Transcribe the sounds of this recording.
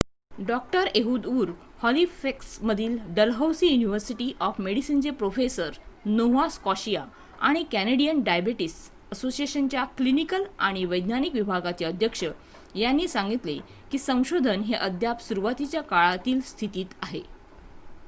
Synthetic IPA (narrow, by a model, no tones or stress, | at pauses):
ɖɔk̚ʈəɾeɦuːd̪uːɾ | hɔlifeksməd̪ʱiːlɖəlɦəwsiːjuniʋəɾsiʈiːʔɔfmeɽisiːnt͡sepɾofesəɾnowʋaskɔɕija | aɽ̃ikæneɽijənɖajbeʈisʈ | əsosieɕənt͡ɕjaklinikəlaɽ̃iʋəjd̪ʱnanikʋibʱaɡat͡ɕeəd̪ʱjəkʂə | janːiːsaŋɡit̪le | kiːsə̃w̃ɕod̪ʱənɦeʔəd̪ʱjapsuɾuʋat̪it͡ɕjakaɭat̪iːlst̪ʰit̪iːt̪aɦe